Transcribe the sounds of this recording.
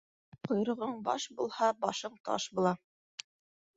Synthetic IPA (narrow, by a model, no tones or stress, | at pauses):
qŏjɾɤ̆ʁɤɴbɑ̰ʃbulˠhɑbɑʃɤɴt̪ɑ̰ʃbulˠɑ